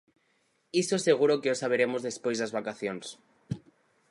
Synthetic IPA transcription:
isoseɣuɾokeosaβ̞eɾemozðespojzðazβakaθjons

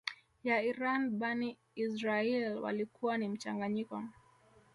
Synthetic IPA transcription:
jaiɾanɓani | isɾaɛlwa̰likuwanim̩t͡ʃaŋɡaɲikɔ

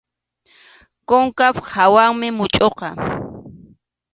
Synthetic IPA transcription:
koŋkaphawaŋmɪmʊt͡ʃʼoqɑ

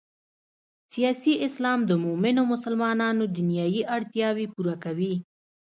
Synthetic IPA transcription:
sijɑsiʔɪslɑmd̪əmʊmɪnomʊsəlmɑnɑnod̪ʊnjɑjiʔaɽt̪jɑwepuɾakawi

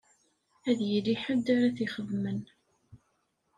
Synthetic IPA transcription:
æðjəliħəd̪aɾæθiχəðmən

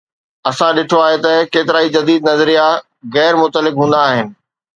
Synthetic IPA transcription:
ɐsãɗɪʈʰoaːɦet̪ɐkeːt̪ɪɾaːid͡ʑɐd̪iːd̪nɐzəɾija | ɣɛːɾmʊt̪əlɪkɦũːn̆d̪aːɦɪnɪ̆

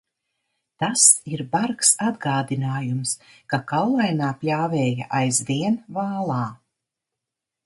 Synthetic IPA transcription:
t̪asiɾbaɾksad̪ɡaːd̪inaːjumskakawlˠajnaːpʲlʲaːvɛːja̰ʔajzviɛnvaːlˠaː

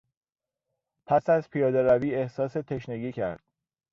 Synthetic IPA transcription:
pʰæsæzpʰijɒːd̪e̞ɾæviːe̞hsɒːse̞t̪ʰe̞ʃneɟiːcʰæ̰ɾd̪̥

